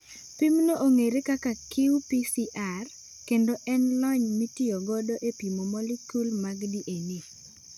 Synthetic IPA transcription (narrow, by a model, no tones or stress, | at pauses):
pimnoʔoŋeɾekakakɪupisiʔar | kendoʔɛnlɔɲmitiɔɡɔdɔʔepimomɔlikulmaɡdiʔeni